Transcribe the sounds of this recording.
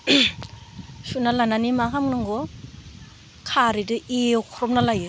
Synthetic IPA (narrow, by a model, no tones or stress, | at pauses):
sunalananimakʰamnɯŋɡɔ | kʰaɾidɯʔewkʰɔɾɔpm̚nalajɯ